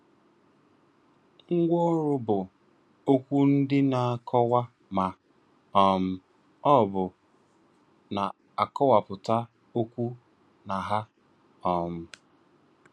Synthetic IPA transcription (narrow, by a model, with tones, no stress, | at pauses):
ŋ̩˦ɡʷɔ˦ɾʊ˦bʊ˨ | o˦kʷu˦n̩˦dɪ˦na˨a˨kʰɔ˦wa˦ | ma˨ | ɔ˨m̩˦ | ɔ˦˨bʊ˨ | na˨ | a˨kɔ˦wa˨pʊ˨ta˦ | o˦kʷu˦ | na˨ɦa˦ | ɔ˨m̩˦